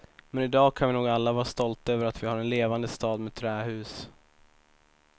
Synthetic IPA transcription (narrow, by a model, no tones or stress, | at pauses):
mɛnɪd̪ɑːkʰanvɪnuːɡalːavɑːɾast̪ɔlt̪aøːvəɾat̪vɪhaɾɛnleːvand̪əst̪ɑːd̪mɛːt̪ʰːɾɛːɦʉ̟ːs